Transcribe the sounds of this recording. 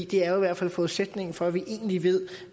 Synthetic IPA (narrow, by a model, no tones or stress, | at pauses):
d̥e̝æɐjoiʋæɐ̰d̥fæl̰fɒːuðˠsed̥ne̝ŋn̩fɒ̽æʋiʔe̝̰ːn̩liʋe̝ð̰ˠ